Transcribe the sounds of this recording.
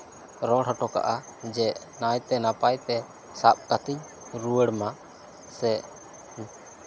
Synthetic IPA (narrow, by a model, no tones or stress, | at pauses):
ɾɔɽɔʈɔka̰ʔad͡ʒɛʔ | najt̪ɛnapajt̪ɛ | sap̚kat̪iɲ̚ | ɾuwəɽmaʔ | sɛ